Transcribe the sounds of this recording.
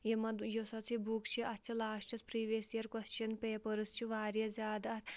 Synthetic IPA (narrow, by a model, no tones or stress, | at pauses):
jemɐd̪josɐt͡sʰibukt͡ʃʰiʔɐt̪t͡ʃʰilaːʂt͡ʃɐspɾiːʋeːsijɐɾkɐst͡ʃʰɐnpeːpɐɾɨst͡ʃʰiʋaːɾjɐzʲaːd̪ɐt̪ʰ